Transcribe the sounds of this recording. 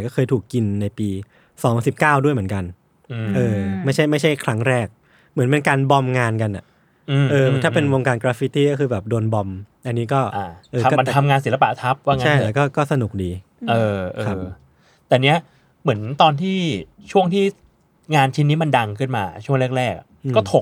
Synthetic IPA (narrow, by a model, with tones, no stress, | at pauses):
jkɔː˥˩kɤː˧jt̪ʰuː˨˩kːi˧nːa˧jpiː˧ | sɔː˩˦ŋsi˨˩p̚kaː˥˩wdu˥˩jm˩˦nka˧n˧ | ʔɤː˧ma˥˩jt͡ɕʰa˥˩jma˥˩jt͡ɕʰa˥˩jkʰɾa˦˥ŋɾɛː˥˩k̚ | mɯ˩˦npe˧nkaː˧nbɔ˧mŋaː˧nka˧nʔa˨˩ | ʔʔɤː˧t̪ʰaː˥˩pe˧nwoː˧ŋkaː˧nkɾaː˦˥fi˦˥t̪iː˥˩kɔː˥˩kʰɯː˧˩bɛː˨˩p̚do˧nbɔ˧mʔa˧nːiː˦˥kɔː˥˩ʔa˧ʔɤː˧˦˩ma˧nt̪ʰa˧mŋaː˧ns̬i˩˦lpa̰˨˩t̪ʰa˦˥p̚waː˥˩ŋt͡ɕːʰa˧˥˩jlɛː˦˥wkɔː˥˩kɔː˥˩sa˧nu˨˩k̚diː˧ | ʔɤː˧ʔkːʰa˦˥˩ | t̪ɛː˨˩ni˦˥ɐ | mɯ˩˦ənt̪ɔː˧nt̪ʰiː˥˩ | t͡ɕʰu˥˩əŋt̪ʰiː˥˩ | ŋaː˧nt͡ɕʰi˦˥nːiː˦˥ma˧nda˧ŋkʰɯ˥˩nmaː˧t͡ɕʰu˥˩əŋɾk̚ɾɛː˥˩k̚a̰˨˩ʔʔkːɔː˥˩t̪ʰo˨˩